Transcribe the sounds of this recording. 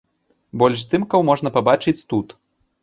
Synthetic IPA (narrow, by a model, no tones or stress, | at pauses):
bɔlʲʂst̪ɨmkɐwmɔʐnɐpabat͡ʂɨt͡sʲt̪ut̪